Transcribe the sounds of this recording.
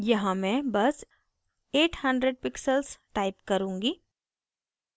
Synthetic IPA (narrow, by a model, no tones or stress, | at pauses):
jɐɦãmɛ̃bɐs | eːʈhɐ̃ɳɖɾeɖ̚pɪksəlsʈaːɪpkɐɾũːŋɡiː